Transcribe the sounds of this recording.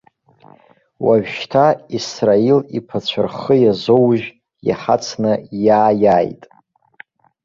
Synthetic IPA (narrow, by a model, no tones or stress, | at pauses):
waʒᶣʃtʰaisrailipʰat͡ɕʷʰarχəjazowʒ | ja̰ħat͡sʰnɨjaːjajtʼ